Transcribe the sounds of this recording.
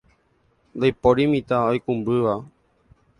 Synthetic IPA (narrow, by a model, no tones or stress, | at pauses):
nd̪ajpoɾimĩt̪aojkũmbɨʋa